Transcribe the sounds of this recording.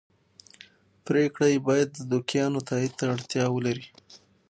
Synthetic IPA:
pɾekɽajebɑjad̪ːəd̪ʊkijɑnot̪ʰɑid̪̚t̪aaɽt̪jɑwəlaɾi

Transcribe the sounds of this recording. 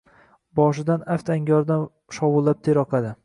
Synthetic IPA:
bɒʃɪd̪anaft̪ʰaŋɡʲɒɾd̪an | ʃɒwʊlˠːap̚t̪ʰeɾɒqʰad̪ɪ

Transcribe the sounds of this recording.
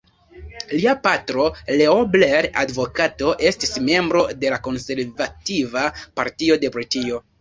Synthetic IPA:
liapatɾo̞leobleɾa̰dvo̞kato̞ʔe̞stisme̞mbɾo̞de̞lako̞nse̞ɾvativapaɾtio̞de̞poitio̞

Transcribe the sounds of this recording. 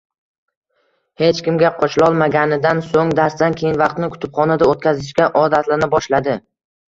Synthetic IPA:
he̞t͡ʃkʲɪmɡʲaqʰɒt͡ʃlˠɒlˠmaɡʲanɪd̪ansoŋd̪aɾsd̪ankʲʰe̞jɪnvɑqt̪nɪkʰʊ̥t̪ʰɪpχɒnad̪aot̪̚kʲazɪʃkʲaʔɒd̪at̪lanɪbɒʃlad̪ɪ

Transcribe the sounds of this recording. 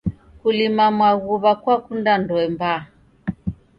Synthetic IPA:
kulimamwaɣuβakwakundandɔɛmba

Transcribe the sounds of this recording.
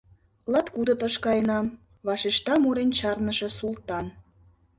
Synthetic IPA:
lɑt̪kud̪ot̪əʃkɑjənɑm | βɑʃeʃt̪ɑmuɾent͡ɕɑrnəʃĕsult̪ɑn

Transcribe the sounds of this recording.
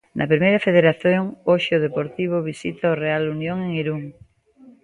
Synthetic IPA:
nʔɐpɾimejɾɐfeð̞eɾaθjoŋoʃeoð̞epoɾt̪iβ̞oβ̞isit̪aorealunjoŋeŋiɾuŋ

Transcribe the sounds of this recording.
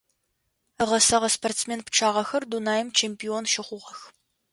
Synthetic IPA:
əʁɐsɐʁɐspʰortsmeːnpʰʈ͡ʂʰaːʁɐxɐrdunaːjɪmt͡ʃʰeːmpionʃɪχʷʊʁɐx

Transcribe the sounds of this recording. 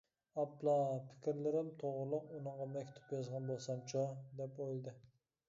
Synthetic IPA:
ɑplˠɑpʰɪ̥kʲɾlɪɾɪmt̪ʰoʁɾɨlˠʊqunɨɴʁɑmɛkʲt̪ʰu̥pjɑzʁɑnbolˠsɑmt͡ʃʰod̪ɛpojlˠd̪ɨ

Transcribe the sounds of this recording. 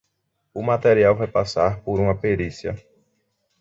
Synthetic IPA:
ʊmat̪eɾiawvajpasaɾpoɾũmɐpeɾisjɐ̰

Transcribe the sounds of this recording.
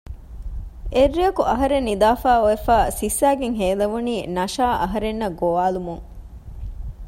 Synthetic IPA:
ʔerːiɐkuʔɐɦɐɾenːid̪aːfaːoefaːsisːæːɡeŋɦeːlɐʋuniːnɐʃaːʔɐɦɐɾenːɐɡoʋaːlumuŋ

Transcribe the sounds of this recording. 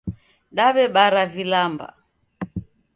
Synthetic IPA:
ɗaβɛɓaɾavilamba̰

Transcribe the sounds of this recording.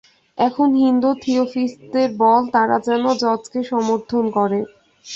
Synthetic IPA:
ɛkʰonɦind̪ut̪ʰiofisd̪eɾbɔlt̪aɾad͡ʑɛnod͡ʑɔd͡ʑkeʃɔmoɾt̪ʰonkɔɾe

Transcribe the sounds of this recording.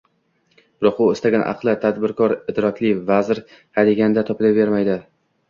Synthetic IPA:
bɪɾɒqʊɪst̪aɡʲanʔɑ̰qlˠɪt̪ʰad̪bɪɾkʰɒɾɪd̪ɾɒkʲlɪvazɾ | had̪ɪɡʲanɪd̪at̪ʰɒpɪlaveɾmajd̪ɪ

